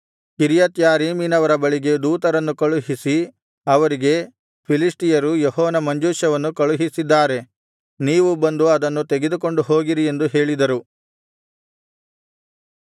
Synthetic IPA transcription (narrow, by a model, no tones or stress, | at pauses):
kiɾjɐt̪jaːɾiːminɐʋɐɾɐbɐɭiɡe̞d̪uːt̪ɐɾɐnːukɐɭuɦisi | ɐʋɐɾiɡe̞ | pʰilisʈijɐɾujɔɦɔːnɐmɐɲd͡ʒuːʃɐʋɐnːukɐɭuɦisid̪ːaːɾe̞ | niːʋubɐnd̪uɐd̪ɐnːut̪eɡe̞d̪uko̞ɳɖuɦo̞ːɡiɾie̞nd̪uɦe̞ːɭid̪ɐɾu